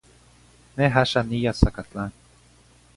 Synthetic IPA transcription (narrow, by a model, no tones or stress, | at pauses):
neɦaʃanijasakatlan